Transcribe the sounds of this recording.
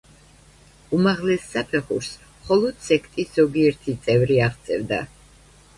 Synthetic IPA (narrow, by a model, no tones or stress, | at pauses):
umaʁlɛsːapʰɛχṵɾs | mχɔlˠɔd̪̥sɛkʰt̪ʼisz̥ɔɡiɛɾt̪ʰit̪sʼɛvɾiaʁt̪sʼɛ̰vd̪a̰